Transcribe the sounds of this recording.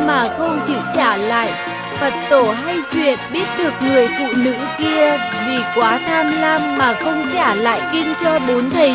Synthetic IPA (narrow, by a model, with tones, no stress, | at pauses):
maː˨˩xə˧wŋ͡mt͡ɕɨ˧˩t͡ɕaː˧˩la̰ː˧˨j | fʰə˨˩t̚t̪o˧˩ɦa˧jt͡ɕwḭ˧˨ənɓi˦˥ət̚ɗɨ˨˩ək̚ŋɨ˨˩əjfṵ˧˨nɨ̰˧˥ki˧ə | vi˨˩kwaː˨˦t̪ʰaː˧mlaː˧mːaː˨˩xə˧wŋ͡mt͡ɕaː˧˩la̰ː˧˨jki˧ŋt͡ɕɔ˧ɗo˨˦nt̪ʰə˨˩